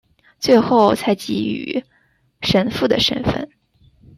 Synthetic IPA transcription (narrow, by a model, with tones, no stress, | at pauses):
t͡swe˥˧ɪxo˥˩ʊt͡sʰa˧˥ɪt͡ɕi˧˥y̰˨˩ | ʂə˧˥nfu˥˩d̪ə̰˩ʂə̰˧˥nfə̰˥˩n